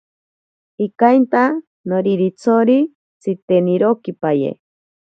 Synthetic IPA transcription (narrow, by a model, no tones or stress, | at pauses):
ikajnt̪a | noɾiɾit͡sʰoɾi | t͡sʰit̪eniɾokipajḛ